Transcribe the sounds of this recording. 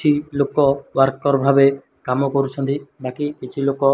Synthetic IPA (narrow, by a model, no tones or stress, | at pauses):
t͡ʃʰilokɔwaɾkːɔɾɔbʱabe | kamɔkoɾut͡ʃʰɔnt̪ibakikit͡ʃʰilokɔ